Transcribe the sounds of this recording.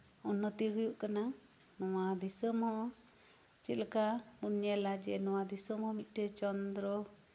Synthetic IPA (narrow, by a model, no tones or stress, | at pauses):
ɔnːɔt̪iɦujuʔkana | nɔwad̪isɔmhɔ̃ | t͡ʃɛlkabunjalad͡ʒɛnɔwad̪isɔmhɔ̃mit̪̚ˀʈɛt͡ʃɔnd̪ɾɔ